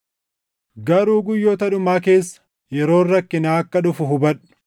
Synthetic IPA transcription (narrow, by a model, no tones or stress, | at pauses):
ɡɐɾuːɡʊjːoːt̪ɐᶑʊmaːke̞ːsːɐ̥ | jɛɾo̞ːrːɐkːɪnaːɐkːɐᶑʊfʊɦʊbɐᶑʊ̥